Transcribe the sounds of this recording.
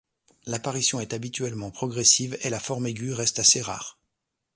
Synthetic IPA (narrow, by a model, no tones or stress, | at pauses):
lapaʁisjɔ̃ɛt̪abit̪ɥɛlmɑ̃pχɔɡʁɛsivelafɔʁmeɡʲyʁɛst̪aseʁa̰ːʁ